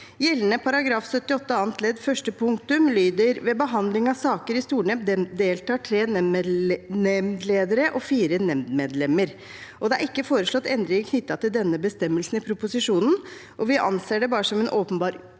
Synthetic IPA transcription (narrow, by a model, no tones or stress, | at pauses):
jɛlːnəpʰɑɾɑɡɾɑːfsœt̪ːɪɔt̪ːəɑːnt̪ʰlɛd̪fœʂʈəpʰʊŋt̪ʉmlyːd̪əɾʋɛːbəɦɑnd̪lɪŋɑʋsɑːkəɾɪst̪uːɳeːmd̪eːlt̪ɑːʈʰɾeːn | nɛmd̪leːd̪əɾəʔɔfiːɾənɛmd̪meːd̪lɛməɾ | ʔɔd̪ɛæɾɪkːəfoːɾəʂlɔɑt̪ʰːɛnd̪ɾɪɡkʰnʏt̪ːɑt̪ɪld̪ɛnːəbəst̪ɛmːəlsn̩ɪpʰɾʊpʊsɪʂuːnn̩ʔɔʋɪʔɑ̰nseːɖɛbɑːɾəsɔmɛnʔoːpənbɑːɾ